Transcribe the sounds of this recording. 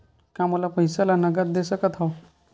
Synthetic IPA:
kamolapəjsalanəɡət̪d̪esəkət̪ʰɦaw

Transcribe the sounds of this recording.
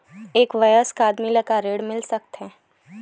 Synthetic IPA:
eːkʋɐjəskaːd̪milɐkaɾeːɽmɪlsɐk̚t̪ɦɛ̃ː

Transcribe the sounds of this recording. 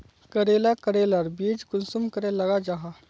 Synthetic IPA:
kəɾelakəɾelaɾbiːd͡ʒkʊlsumkəɾelɐɡad͡ʒaɦa

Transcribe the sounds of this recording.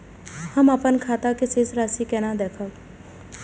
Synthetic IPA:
həməpənkʰaːt̪akeseːsɾaːsikɛːnad̪eːkʰə

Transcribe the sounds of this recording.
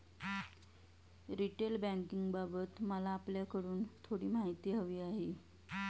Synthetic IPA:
ɾiʈelbæ̃ŋkiŋɡbabət̪məlaːpljakəɽuːnt̪ʰoɽiːmaɦit̪iːɦəʋiːaɦe

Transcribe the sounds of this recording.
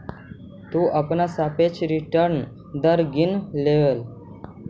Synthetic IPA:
t̪uːʔəpnasapet͡ʃɾiʈəɾn | d̪əɾɡinleʋel

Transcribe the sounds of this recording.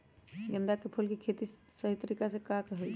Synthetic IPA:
ɡə̃nd̪akepʰulkikʰeːt̪i | səɦit̪əɾiːkasekakeɦoi

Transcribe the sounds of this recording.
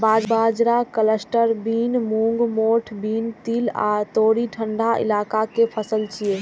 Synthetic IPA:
bad͡ʒbad͡ʒɾakələsʈəɾbinmuŋɡmoʈʰbint̪ila̰t̪oɽiʈʰəɳɖʱaʔḭlakakepʰəsəlt͡ʃʰie

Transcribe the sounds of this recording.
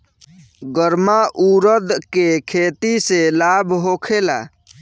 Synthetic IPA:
ɡəɾmaʔuɾəd̪kekʰet̪iselabʱɦokʰela̰

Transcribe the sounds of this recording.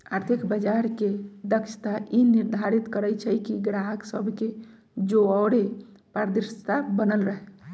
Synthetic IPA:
aɾt̪ʰikbəd͡ʒaɾked̪əkt͡ʃʰt̪aʔiniɾd̪ʱaɾit̪kəɾɛt͡ʃʰəjkiɡɾaɦəksəbʱke | d͡ʒoɔːɾe | paɾd̪ist̪abənəlɾəɦɛ

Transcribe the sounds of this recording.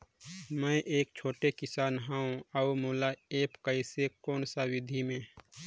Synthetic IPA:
mɛ̃ːʔeːk̚t͡ʃʰoːʈekɪsaːnɦaũaumuːlaeːpkəisekɔːnsawɪd̪ʱimẽː

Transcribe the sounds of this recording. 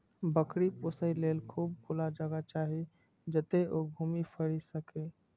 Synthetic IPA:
bəkɽipʊsəileːlkʰuːb̚ɡʱulad͡ʒəɡat͡ʃaːɦe | d͡ʒət̪eʔoːɡʱuːmipʰəɽisəkeː

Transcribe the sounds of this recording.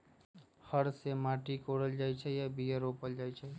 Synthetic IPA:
həɾsemaʈikoɽəld͡ʒajt͡ʃʰɛjabijəɾopəld͡ʒajt͡ʃʰɛ

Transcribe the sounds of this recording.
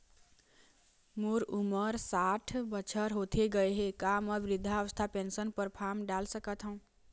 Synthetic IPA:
moɾuməɾsaʈʰbət͡ʃʰəɾɦot̪ʰeɡəeɦekaməʋɾid̪ʱːaːʋəst̪ʰapensənpəɾpʰamɖalsəkət̪ɦə̃ũ

